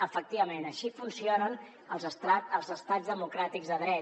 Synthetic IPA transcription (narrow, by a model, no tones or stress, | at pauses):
əfək̚t̪iβəmenəʃifunsionən | əlˠzəst̪aəlˠzəst̪azðəmukɾat̪iɡzðəðɾɛ